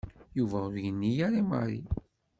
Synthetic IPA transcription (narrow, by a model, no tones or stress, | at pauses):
juvæʊɾjənːijaɾimɑ̰ɾˤḭ